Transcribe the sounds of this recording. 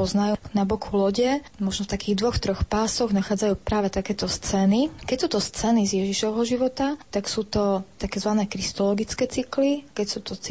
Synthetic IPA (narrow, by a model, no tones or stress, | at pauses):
ɔznajunabɔkʰulɔɟɛ | mɔʒnɔft̪akiːɣd̪ʋɔxt̪ɾɔxpaːsɔɣnaxaːd͡zajuːpɾaːʋɛt̪akɛːt̪ɔst͡sɛnikɛcsuːt̪ɔst͡sɛnizjɛʒiʃɔʋɦɔʒiʋɔt̪at̪aksuːt̪ɔt̪akɛːzʋanɛːkɾist̪ɔlɔɡit͡skɛːt͡siklikɛcsuːt̪ɔt͡si